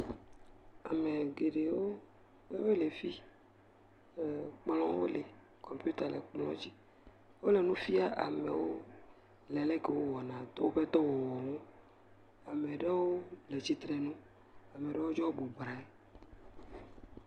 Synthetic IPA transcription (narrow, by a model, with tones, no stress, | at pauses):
a̰˨me˨ɡe˨ɖe˨wo˦ | e˦be˦le˨fi˦˨ | k͡plɔ̃˦wo̰˦le˨ | kʰɔ˨mpu˦t̪a˨le˨k͡plɔ̰̃˦d͡ʑi˦ | wo˦le˨nũ˦fi˦a˦ʔa˨mḛ˨wo˦ | lɛ˨le˦ke˨wo˦wɔ˨nã˨˦wo˦ɸe˦t̪ɔ˦wo˨wɔ˨ŋo˦ | a˨me˨ɖe˦wo˦le˨t͡ɕi˦t̪ɾɛ˨nũ˦ | a˨me˨ɖe˨wo˦d͡ʒɔ˦o˦bo˨bɾa˨ɛ˦